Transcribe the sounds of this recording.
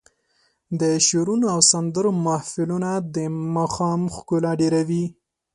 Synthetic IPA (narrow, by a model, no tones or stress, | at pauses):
d̪əʃoɾunoawsand̪əɾomahfɪlunad̪əmɑxɑmxkʊlaɖeɾawi